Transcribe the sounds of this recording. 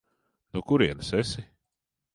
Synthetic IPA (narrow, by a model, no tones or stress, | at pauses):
nukuɾiɛnɨsɛsi